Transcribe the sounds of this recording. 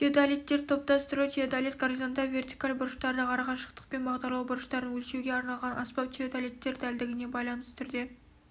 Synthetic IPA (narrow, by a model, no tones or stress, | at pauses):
t̪ʰʲiod̪alijt̪ːeɾt̪ʰop̚t̪ɑst̪əɾut̪ʰiod̪alet̪̚ɡaɾʒand̪ɑvʲe̞rt̪i̥kalˠbʊɾəʃt̪ɑɾd̪ɑqʰɑɾɑʁɑʃə̥qt̪ə̥q̚pe̞nbɑʁd̪ɑɾlˠɑwbʊɾəʃt̪ɑɾəwɵlʃewɡʲeɑɾnɑlˠʁɑnʔɑspɑp̚t̪ʰiod̪alijt̪ːe̞ɾd̪æld̪ɪɡʲɪne̞bɑjlˠɑnəst̪ʰʏɾd̪e̞